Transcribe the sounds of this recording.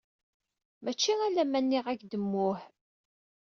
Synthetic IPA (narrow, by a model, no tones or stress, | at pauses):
mæt͡ʃːiælæmænːiʁækd̪əmːʊħ